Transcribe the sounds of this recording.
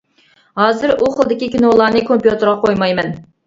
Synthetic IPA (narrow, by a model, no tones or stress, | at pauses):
hɑːzɨɾuχəlˠd̪ɪkʲikʲinolˠɑɾnɨkʰompjut̪ɨɾʁɑqʰojmɑjmɛn